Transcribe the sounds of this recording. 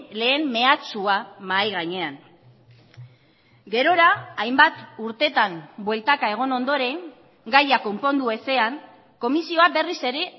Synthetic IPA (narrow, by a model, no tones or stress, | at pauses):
le̞ːmme̞at͡suamajɣ̞aɲe̞aŋ | ɡe̞ɾo̞ɾaːjmbat̪uɾt̪e̞t̪ambwe̞lt̪akae̞ɣ̞o̞no̞nd̪o̞ɾe̞ŋ | ɡajako̞mpo̞nd̪ue̞se̞aŋ | ko̞misio̞abe̞rise̞ɾe̞